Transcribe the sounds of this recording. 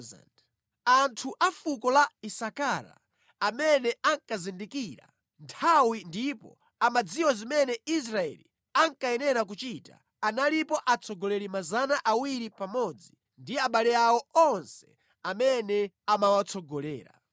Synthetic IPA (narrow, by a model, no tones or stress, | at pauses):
za̰nd | antʰuʔafukɔlaisakaɾa̰ | amɛnɛʔaŋkazindikiːɾa̰ | ntʰawindipɔ̰ | amad͡ziwɔzimɛnɛis̬ɾaɛ̰lḭ | aŋkaɛnɛɾak̬ut͡ʃita̰ | analipɔʔat͡sʰɔɡɔlɛɾimazanaʔawiɾipamɔd͡zi | ndiaɓalɛawɔɔnsɛ̥ | amɛnɛ | amawat͡sʰɔɡɔlɛːɾa̰